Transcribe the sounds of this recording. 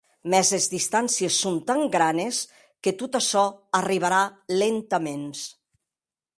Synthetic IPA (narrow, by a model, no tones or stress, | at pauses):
mɛzezðist̪ansiesːont̪aŋɡɾanes | ket̪ut̪asɔəriβ̞aɾalent̪əmens